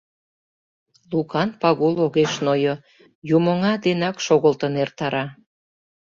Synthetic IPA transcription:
lukɑnpɑɣuloɣeʃnojo | jumə̆ŋɑd̪enɑkʃoɣəlt̪ənert̪ɑɾɑ

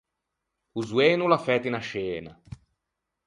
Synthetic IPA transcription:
uzweːnulafɛːt̪inaʃeːna

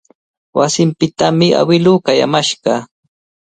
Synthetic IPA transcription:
wasɪmpɪt̪amɪa̰wɪluːkaja̰maʃɢɑ

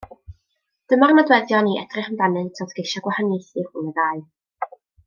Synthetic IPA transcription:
d̥əmarnadwɛðjɔniɛ̰d̥rɪχənvanɨntʰodɡ̥eʃaɡwahanisirhʊːnədaɨ

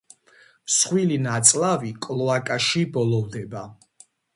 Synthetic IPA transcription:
sχwilinat̪sʼlavikʼlˠɔakʼaʃibɔlɔvd̪ɛba

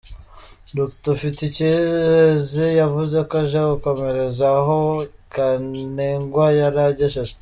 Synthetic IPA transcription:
doktofitice | zijavuze̞kaʒaɡuko̞me̞ɾe̞zaɦokaneŋɡwajaɾaɟeʃeʒe

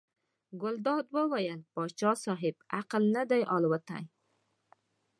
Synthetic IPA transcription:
ɡʊld̪ɑd̪wəwajəlpɑt͡ʃɑsɑɦɪb̚aqəlnəd̪ajʔɑlwət̪a̰j

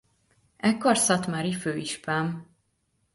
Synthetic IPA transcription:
ɛkːorsɒt̪maɾiføːiʃpaːm

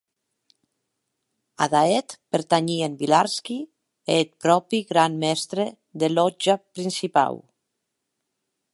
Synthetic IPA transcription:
aðaet̪peɾt̪aɲiembilaɾski | et̪̚pɾɔpiɣɾanmɛst̪ɾe | ðelɔd͡ʒapɾinsipa̰w

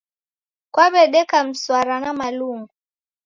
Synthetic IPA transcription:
kwaβɛɗɛkam̩swaɾanamaluŋɡu

